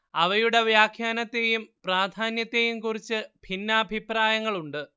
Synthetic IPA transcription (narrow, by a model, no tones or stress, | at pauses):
ɐʋɐjuɽe̞ʋjaːkʰjaːnɐt̪ːejumpraːd̪ʱaːnjɐt̪ːe̞jumkurit͡ɕːɨbʱinːɐːbʱipraːjɐŋːɐɭuɳɖɨ